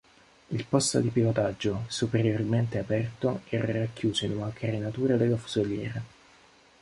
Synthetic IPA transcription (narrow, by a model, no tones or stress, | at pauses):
ilpɔst̪o̰d̪ipilot̪ad͡ʒːosupeɾjorment̪eapɛrt̪oɛːɾarakːjuːzoinunakʰaɾenat̪uːɾad̪elːafu̥zoljɛːɾe